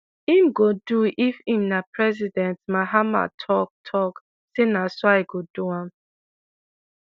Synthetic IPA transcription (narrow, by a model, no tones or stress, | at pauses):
imɡoduʔifĩmnapɹɛzidɛ̃ntmaɦama̰tʰɔk̚tʰɔk | senasoajɡoduãm